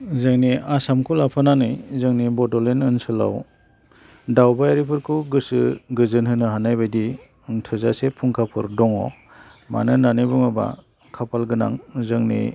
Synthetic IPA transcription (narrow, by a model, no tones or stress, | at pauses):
zɯŋniasamkʰulapʰananɯjzɯŋnibɔdɔlenɯnsɯla̰w | dawbajaɾipʰɯɾkʰuɡɯsɯɡɯzɯnhɯnɯɦanajbajdi | tʰɯzasepʰuŋkʰapʰɯɾdɔŋɔ̰ | ma̰nɯnanɯjbuŋaba̰ | kʰapʰalɡɯna̰ŋzɯŋnḭ